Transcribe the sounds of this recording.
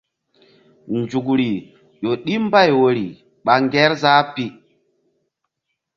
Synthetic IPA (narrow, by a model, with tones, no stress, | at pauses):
nd͡ʒu˨k̬ɾi˨ | ʄo˨ɗi˦mba˦˨jwo˨ɾi˨ | ɓa˨ŋɡɛ˦ɾzaː˦pi˦